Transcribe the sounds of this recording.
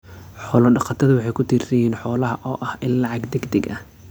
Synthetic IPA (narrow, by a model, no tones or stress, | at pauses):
ħɔːlɐɖɑqɑt̪ʰɐðʊwɑħɑjkʰʊt̪ʰiːrɪjiːnħɔːlɐɦɐʔɔːʔɐhʔɪnlɑʕɑɡd̪ɛɡd̪ɛɡɐh